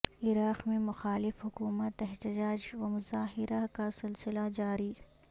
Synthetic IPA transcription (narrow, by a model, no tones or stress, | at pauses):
ɪɾaːqmẽmʊxaːlɪfɦʊkuːmət̪ɪɦt̪ɪd͡ʒaːd͡ʒwɐmʊzaːɦɪɾakasɪlsɪlad͡ʒaːɾiː